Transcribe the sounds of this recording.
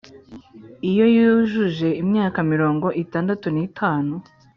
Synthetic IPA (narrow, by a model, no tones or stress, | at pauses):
ijo̞juʒuʒe̞imɲaːkamiɾo̞ːŋɡo̞ʔitaːndatunitʰaːnu